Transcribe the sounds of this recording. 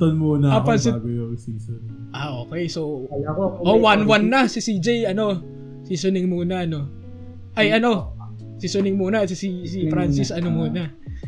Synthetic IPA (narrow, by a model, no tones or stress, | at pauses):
t̪ɐnmunɐapɐnsɪɡojosiːson | ʔaʔo̞ːkɛjsow | ʔowanwanːɐsisid͡ʒejɐno̞ | sisonɪŋmuːnɐno̞ | ʔɐjʔɐno̞ | sisonɪŋmuːnɐɐt̪ssisifɾansɪsɐnomuːnɐ